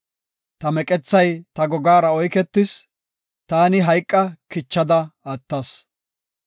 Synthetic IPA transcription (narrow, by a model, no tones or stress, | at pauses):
t̪ɐmɛkʼɛt͡sːɐjt̪ɐɡɔɡaːɾɐɔjkɛt̪ːɪs | t̪aːnɪɦɐjkʼːɐkɪt͡ʃːɐd̪ɐɐt̪ːɐs